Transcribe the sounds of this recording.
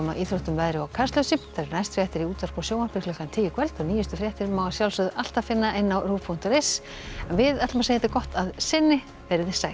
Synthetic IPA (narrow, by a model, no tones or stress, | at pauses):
maʔiθɾoht̪ʏmvaːðɾɪawkʰarst̪lœsɪp̪θaɾɛɾnajst̪fɾjaht̪ɪɾiuːt̪var̥pɔsjoːwḁpɪklœ̥kant̪ʰɪljɪkʰvɛlt̪ɔɣniːjʏst̪ʏfɾjaht̪ɪɾmaːwasjawlsʏðal̥t̪afɪnːaʔɪnːawruːpʰun̥t̪ʏɾejs | ɛnvɪðɛt̪lmasejɛt̪ːɪkɔht̪aðsɪnːɪ | vɛɾɪðɪ̥saːj